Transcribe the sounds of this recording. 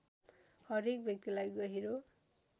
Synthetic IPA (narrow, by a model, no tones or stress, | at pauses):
hʌɾek̚bʱjʌk̚t̪ilajɡʌɦiɾo